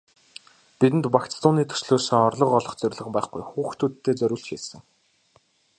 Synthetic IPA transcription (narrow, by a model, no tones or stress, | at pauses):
pit̪ɘ̆nt̪pakt͡st͡s̪ʊːniːt̪ʰɵ̥sɮoːsĭŋɔrɮɞ̆qɔɮɞ̆χt͡sœɾʲɮə̆χpæːχɡujxuːxt̪ʰuːt̪ʰːeːt͡sœɾʲʊ̆ːɮɬt͡ɕxisɘ̆ŋ